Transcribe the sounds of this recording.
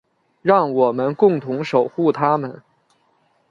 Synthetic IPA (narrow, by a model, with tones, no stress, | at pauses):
ɻɑ˥˩ŋwɔ˨˩mə˦nkʊ˥˩ŋt̪ʰʊ˧˥ŋʂo˨˩ʊxu˥˩t̪ʰa˥mə̰˨n